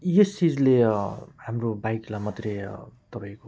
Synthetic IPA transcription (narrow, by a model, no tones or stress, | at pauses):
jest͡sid͡zlehamrobajklamʌt̪ret̪ʌpaĩko